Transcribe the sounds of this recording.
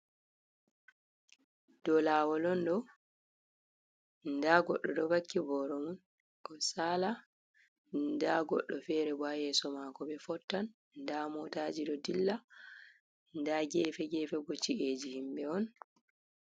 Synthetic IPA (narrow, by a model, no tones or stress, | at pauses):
d̥ɔlaːwɔlɔndɔ | ndaɡɔɗːɔɗɔbakːibɔɾɔmun | ʔɔsaːla | ndaɡɔ̰ɗːɔfɛːɾɛbajɛːsɔmakɔbɛfɔtːan | ndamɔtad͡ʒiɗɔdilːa | ndaɡɛfɛɡɛːfɛbɔt͡ʃiʔeːd͡ʒihimbɛɔn